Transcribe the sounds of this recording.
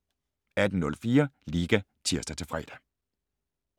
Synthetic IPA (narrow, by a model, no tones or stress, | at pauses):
æd̥n̩nɔ̽lfiːɐliːɡ̥æ | t͡sʰiɐ̰sd̥æt͡sʰe̝fʁɛ̰ːd̥æ